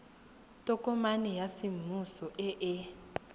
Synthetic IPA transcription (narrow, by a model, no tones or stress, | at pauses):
tʼɔkʼɔmanɛjasimusɔʔɛʔɛ